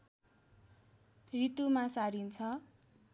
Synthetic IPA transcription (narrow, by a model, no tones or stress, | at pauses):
rit̪umãsaɾint͡sʰʌ